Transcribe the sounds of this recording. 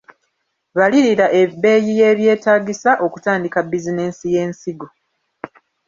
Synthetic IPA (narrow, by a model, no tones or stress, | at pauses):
βaliɾiɾaʔe̞bːe̞ːjije̞ːβje̞ːtaːɡisaʔo̞ku̥taːndikabizine̞ːsije̞ːnsiɡo